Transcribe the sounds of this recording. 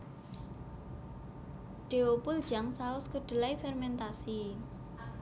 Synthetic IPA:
ɖ̥e̤opʊld̥ʒ̥aŋsaʊskəɖ̥ə̤laifɛrmɛnt̪asi

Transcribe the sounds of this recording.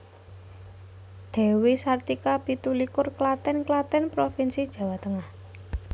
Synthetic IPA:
d̪̥ɛ̤wesart̪ikab̥i̤t̪ulikʊrklat̪ɛnklat̪ɛnpɾofinsid̥ʒ̥a̤wat̪əŋah

